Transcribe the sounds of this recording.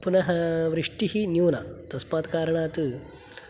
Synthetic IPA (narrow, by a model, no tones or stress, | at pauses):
punɐɦɐʋɾiʂʈiɦinjuːnɐt̪ɐspaːt̪kaːɾɐɳaːt̪ɨ